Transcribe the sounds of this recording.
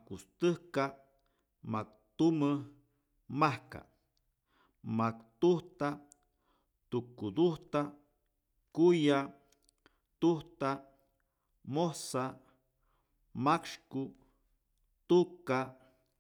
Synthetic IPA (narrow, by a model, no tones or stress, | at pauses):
kust̪ɨhka | mak̚ | t̪umə | mahka̰ | makt̪uht̪a | t̪ukud̪uht̪a | kuja | t̪uht̪a | mohsa | makʂku | t̪uka